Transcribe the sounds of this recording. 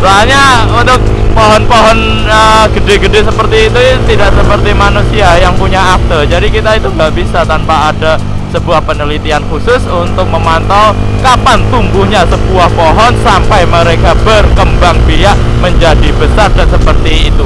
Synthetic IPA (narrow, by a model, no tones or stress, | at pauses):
ralɲa | unt̪ʊk̚ | poɦɔnpoɦɔn | əɡ̥ədeɡədesəpərt̪iːt̪ut̪idaʔsəpərt̪imanusiajaŋpuɲaːk̚t̪əd͡ʒadikit̪ait̪uŋɡaʔbisat̪anpaːda | səbuahpənəlit̪iankusʊsunt̪ʊk̚məmant̪alkapant̪umbuhɲasəb̥uahpoɦɔnsampajməɾekab̥ərkəmbaŋbijaʔ | məɲd͡ʒadibəsardansəpərt̪iːt̪u